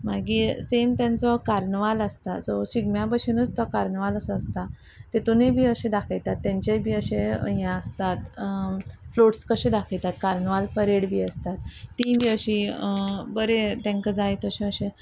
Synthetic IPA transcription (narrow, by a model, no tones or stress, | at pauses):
maɡisemt̪jãnt͡sɔkaɾɳəʋaləst̪asɔsiɡmjabəɕenəd͡zt̪ɔkaɾɳəʋaləsəəst̪a | t̪et̪unebʱiːəɕẽd̪akʰəjt̪at̪ːjãɲt͡ɕebʱiːəɕẽjãəst̪at̪ | floʈskəɕed̪akʰəjt̪at̪kaɾnəʋalpəɾeɽbʱiːəst̪at̪ːĩbʱiːəɕi | bəɾet̪ɛ̃ŋkəd͡zajt̪əɕẽəɕẽ